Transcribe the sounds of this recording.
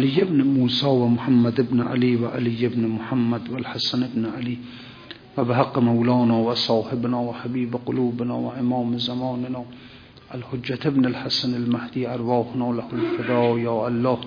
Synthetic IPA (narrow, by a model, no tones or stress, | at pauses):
ʔalɪjːɪbnɪmuːsɑːwamʊħamːad̪ɪbnʔa̰liːwaʔalijːɪbnmʊħamːad̪walħasanɪbnʔaliː | wabɪɦaqːmawlɑːnɑːwasˤɑːħɪbnɑːwaħabiːbqʊluːbnɑːwaʔɪmɑːmzamɑːnɪnɑː | ʔalhod͡ʒːat̪ɪbnalħasanalmahd̪iːʔɑɾˤwɑːhʊnɑːlahʊlfɪd̪ɑːjɑːʔalːɑːh